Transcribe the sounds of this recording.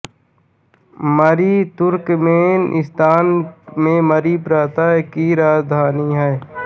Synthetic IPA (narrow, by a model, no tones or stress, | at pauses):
məɾiːt̪ʊɾkmeːnʔɪ̰st̪aːnmẽməɾiːpɾaːt̪aɦɛkiɾaːzd̪ʱaːniɦɛː